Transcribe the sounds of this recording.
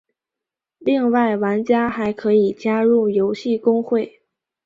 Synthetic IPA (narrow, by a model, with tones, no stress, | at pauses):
li˥˧ŋwa˥˩ɪwa˧˥nt͡ɕja˥xa˧˥ɪkʰɤ˧˥i˨˩t͡ɕja˥ɻu˥˩jo˧˥ʊɕi˥˩kʊ˥ŋxwe˥˩ɪ